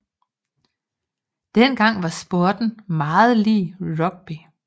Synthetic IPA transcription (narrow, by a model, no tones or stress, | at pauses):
d̥enɡ̥ɑ̈ŋ̰ʋɑ̈sb̥o̝ɐ̰d̥n̩mɑ̈ːð̞̩ˠliːʁɒ̽ɡ̥̚b̥i